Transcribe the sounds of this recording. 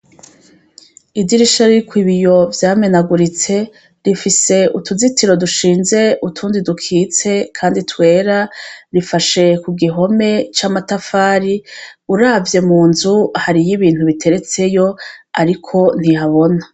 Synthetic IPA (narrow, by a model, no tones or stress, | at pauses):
idiɾiʃaɾiɾikwiβijo̞vjaːme̞naɡuɾit͡se̞ | ɾifise̞ʔutuzitiɾo̞duʃiːnze̞ʔutʰuːndidukʰiːt͡se̞kʰaːnditwe̞ːɾaɾifaʃe̞kuɡiɦo̞me̞t͡ʃamatafaːɾiuɾaːvje̞muːnzuhaɾijiβiːn̥huβitʰe̞ɾe̞t͡se̞jo̞aɾikʰo̞n̥ihaβo̞na